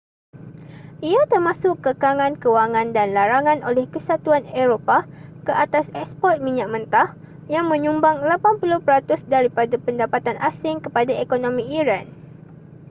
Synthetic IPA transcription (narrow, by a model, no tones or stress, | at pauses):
ʔiat̪ərmãsʊkːəkaŋãnkəwaŋãndanlaɾaŋãnʔolɛhkəsat̪uanɛɾopakəʔat̪asɛk̚spɔt̪̚mĩɲak̚mə̃nt̪ah | jaŋmə̃ɲũmbaŋlapanpulʊhpəɾat̪ʊsdaɾipadapəndapat̪anʔasɪŋkəpadaʔekonõmĩiɾan